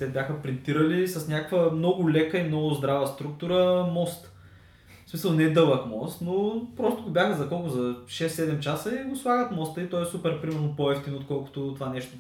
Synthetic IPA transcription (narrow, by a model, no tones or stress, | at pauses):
t̪ɛbʲjaxəpɾint̪iɾəlisɐsnʲakkvəmnɔɡʊlɛkəimnɔɡʊzd̪ɾavəst̪ɾuk̚t̪uɾəmɔst̪ | smisəlˠnɛd̪ɤlˠəkmɔst̪nopɾɔst̪ʊɡʊbʲjaxəzɐkɔlˠkʊzɐʃɛsːɛd̪ɛmt͡ʃasəiɡʊslˠaɡət̪mɔst̪əit̪ɔɛsupɛɾpɾimɛɾnopɔɛft̪inot̪̚kɔlˠkʊ̥t̪ʊt̪ovanɛʃt̪o